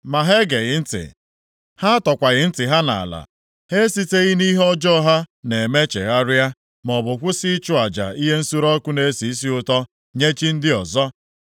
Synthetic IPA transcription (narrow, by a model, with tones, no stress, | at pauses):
ma˨ɦe˦ɡe˨ɣɪ˨˦n̩˦tɪ̰˨ | ha˦a˦tɔ˨kʷa˨ɣɪ˨n̩˦tɪ˨ɦa˦na̰˨la̰˨ | he˦si˦te˦ɣɪ˦ni˦ɦɔ˦d͡ʒɔ˦ɦa˦ne˨me˦t͡ʃḛ˨ɣa˦ɾja˦ | mɔ˨bʊ˨kʷʊ˦si˦t͡ʃʊ˦a˨d͡ʒa̰˨i˦ɦe˦n̩˦su˦ɾɔ˦kʷʊ˦ne˨˦si˨i˦si˦ʊ˨tɔ˦ | ɲe˦t͡ʃi˦n̩˦dɪ˦ɔ˨zɔ˦